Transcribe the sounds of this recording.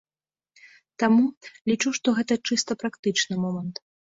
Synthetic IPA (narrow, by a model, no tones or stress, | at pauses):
t̪amulʲit͡ʂuʂt̪ɔɣɛt̪ɐt͡ʂɨst̪ɐpɾakt̪ɨt͡ʂnɨmɔmɐnt̪